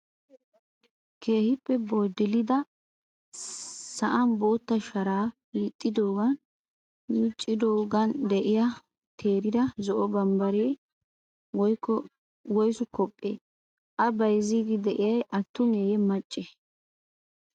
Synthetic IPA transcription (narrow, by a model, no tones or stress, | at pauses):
kʰeːhɪpːɛboːd̪ɪlɪd̪ɐ | sɐʔɐnboːt̪ːɐʃɐɾaː | iːt̪ʼːɪd̪o̞ːɡɐn | mɪt͡ʃʼːɪd̪oːɡɐnd̪ɛʔɪjɐ | t̪ʰeːɾɪd̪ɐzɔʔɔbɐmbɐɾɪɛj | wɔjɔ | wɔjsʊkɔpʼːḛː | ʔɐbɐjziːɡ̪ɪd̪ɛʔɪjɐjʔɐt̪ːʊmeːjɛmɐt͡ʃʼːeː